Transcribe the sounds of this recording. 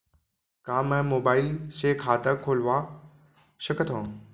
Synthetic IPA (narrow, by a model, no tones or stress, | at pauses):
kãːmə̃ɦmoːbaːɪlseːkʰaːt̪əkʰːoːlʋaː | ɕəkət̪ʰõː